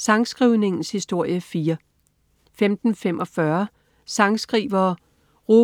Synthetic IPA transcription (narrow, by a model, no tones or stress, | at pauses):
sɑ̈ŋsɡ̥ʁiʊne̝ŋn̩shisd̥o̝ɐ̰jəfiːɐ | femd̥n̩femʔɒ̽fɶɐ | sɑ̈ŋsɡ̥ʁḭːʋɐ | ʁo